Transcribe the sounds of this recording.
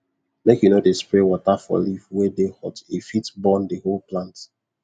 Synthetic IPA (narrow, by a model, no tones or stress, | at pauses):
mɛkjunodespɹewɔtafɔ̰livwedehɔtifitbɔ̃ndeholplãnt